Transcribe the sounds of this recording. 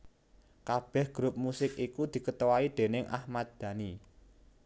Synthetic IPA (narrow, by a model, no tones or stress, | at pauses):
kab̥ɛ̤hɡ̥ɾʊp̚musɪkikud̪̥i̤kət̪owaid̪̥e̤nɪŋʔa̰hmat̪̚d̪̥ä̤ni